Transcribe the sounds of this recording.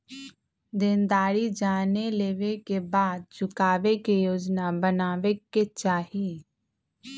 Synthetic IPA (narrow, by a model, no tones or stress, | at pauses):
d̪ɪnd̪aːɾid͡ʒaːneleːʋekebaːd̪̚t͡ʃʊkaːʋekejoːd͡ʒnabənaːʋeket͡ʃaːɦi